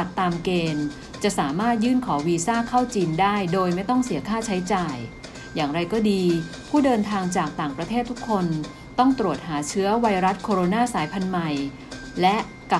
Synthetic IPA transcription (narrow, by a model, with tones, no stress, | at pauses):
t̪ːaː˧mkeː˧n | t͡ɕa˨˩ʔsaː˩˦maː˥˩t̪̚jɯː˥˩nkʰɔː˩˦wiː˧saː˥˩kʰa˥˩wt͡ɕiː˧ndaː˥˩jdoː˧jma˥˩jt̪ɔ˥˩ŋsi˩˦ɐkʰaː˥˩t͡ɕʰa˦˥jt͡ɕaː˨˩j | jaː˨˩ŋɾa˧jkɔː˥˩diː˧pʰuː˥˩dɤː˧nt̪ʰaː˧ŋt͡ɕaː˨˩k̚t̪aː˨˩ŋpɾa˧t̪ʰeː˥˩t̪ʰːu˦˥kʰːo˧n | t̪ɔ˥˩ŋt̪ɾu˨˩ət̪̚ɦaː˩˦t͡ɕʰɯ˦˥ɐwa˧jɾa˦˥t̪̚kʰoː˧ɾo˧naː˥˩saː˩˦jpʰa˧nma˨˩j | lɛ˦˥ʔ | ka˨˩